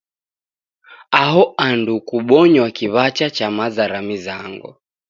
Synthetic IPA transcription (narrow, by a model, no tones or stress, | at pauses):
aɦɔandukuɓɔɲwakiβat͡ʃat͡ʃamazaɾamizaŋɡɔ̰